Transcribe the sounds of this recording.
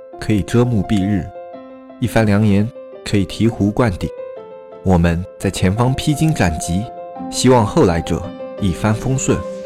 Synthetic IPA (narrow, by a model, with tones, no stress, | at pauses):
kʰɤ˧˥i˨˩ʈ͡ʂɤ˥mu˥˧pi˥˧ɻɻ̩˥˩ | i˥˩fa˥nljɑ˧˥ŋnjɛ˧˥n | kʰɤ˧˥i˨˩t̪ʰi˧˥xu˧˥kwa˥˩nt̪i˨˩˦ | wɔ˨˩mə˦nt͡sa˥˩ɪt͡ɕʰjɛ˧˥nfɑ˥ŋpʰi˥t͡ɕi˥ŋʈ͡ʂa˨˩nt͡ɕi˧˥ɕi˥wɑ˥˧ŋxo˥˩ʊla˧˥ɪʈ͡ʂɤ̰˨˩˦i˥˩fa˥nfɤ˥ŋswə˥˩n